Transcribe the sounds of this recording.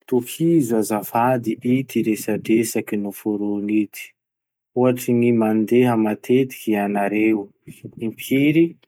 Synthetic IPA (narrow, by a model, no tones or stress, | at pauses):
t̪ukʰizazafad̪iʔit̪iɾesaɖ͡ʐesakinufuɾonit̪ʰi̥ | uɦaʈ͡ʂiŋimand̪eɦəmat̪ʰet̪i̥kʲianaɾew | impʰiɾi